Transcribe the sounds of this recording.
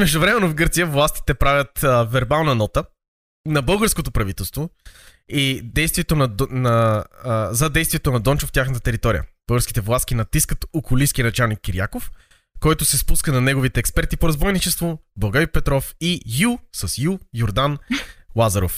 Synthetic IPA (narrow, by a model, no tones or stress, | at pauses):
mɛʒd̪ovɾɛmɛnovɡɤɾt̪sijəvlˠast̪i̥t̪ɛpɾavʲət̪vɛɾbalˠnɐnɔt̪ə | nɐbɤlˠɡəɾskot̪opɾɐvit̪ɛlˠst̪vo | id̪ɛjst̪viɛt̪onɐnɐ | zɐd̪ɛjst̪viɛt̪onɐd̪ɔnt͡ʃoft̪ʲjaxnt̪ət̪ɛɾit̪ɔɾḭə̰b̥ɤlˠɡəɾski̥t̪ɛvlˠaskinɐt̪iskət̪okʊliskʲinɐt͡ʃalˠnikːiɾja̰kof | kɔjt̪ʊsɛspuskənɐnɛɡovit̪ɛːkspɛɾt̪ipoɾɐzbɔjnit͡ʃɛst̪vobɐɡaɾipɛt̪ɾɔfijulˠsɐsjujoɾd̪anlˠazɐɾo̰f